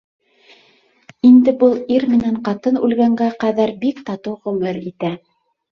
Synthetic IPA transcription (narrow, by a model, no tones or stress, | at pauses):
ind̪ɘ̆bɤlˠiɾmɘ̆næɴqɑt̪ɤnʉ̰lɡæŋɡæqæðæɾbikt̪ɑt̪ɤwʁɵ̆mɘɾit̪æ